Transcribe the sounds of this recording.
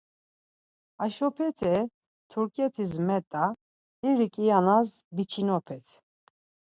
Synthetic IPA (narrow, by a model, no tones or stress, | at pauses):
aʃɔpʰɛt̪ʰɛ | t̪ʰuɾkʼɛt̪ʰis̬mɛt̪ʼa | iɾikʼijanasbit͡ʃʰinɔpʰɛt̪ʰ